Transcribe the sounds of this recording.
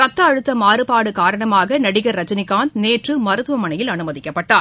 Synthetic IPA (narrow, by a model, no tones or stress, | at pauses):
kɐt̪ːɐːɻɯt̪ːɐmaːrɯpaːɽɯkaːɾɐɳɐmaːɣɐnɐɽɪɣɐɾːɐd͡ʒɐnɪkːaːnd̪neːʈrɯmɐɾɯt̪ːɯʋɐmɐɳɐjɪlɐnɯmɐðɪkːɐpːɐʈːaːɾ